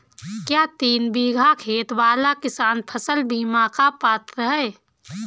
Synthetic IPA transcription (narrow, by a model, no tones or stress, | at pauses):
kjaːt̪iːnbiːɡʱakʰeːt̪waːlakɪsaːnpʰəsəlbiːmakapaːt̪ɾəɦɛː